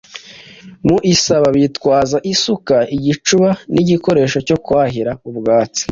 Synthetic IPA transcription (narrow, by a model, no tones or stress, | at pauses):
muʔisaβaβitkwaːzaʔisukaiɟit͡ʃuβaniɟiko̞ɾe̞ːʃo̞co̞kwaːɦiɾaubɡaːt͡si̥